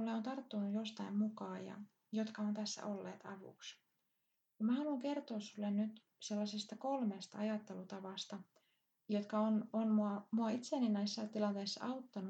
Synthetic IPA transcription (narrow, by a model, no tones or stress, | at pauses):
ulːeo̞nt̪ɑrt̪ːunujo̞st̪ɑimmukɑːjɑ̰ | jo̞t̪kɑo̞nt̪æsːæ̰ʔo̞lːe̞̰ːt̪ɑʋṵks | mæhɑluŋke̞rt̪o̞ːsːulːennyt̪ | se̞lːɑsest̪ɑko̞lmeːst̪ɑɑjɑt̪ːelut̪ɑʋɑst̪ɑ | jo̞t̪kɑononmuɑmuɑit̪seːninːæjsːɑt̪ilɑnt̪e̞ːsːɑ̰ʔɑwt̪ːɑnu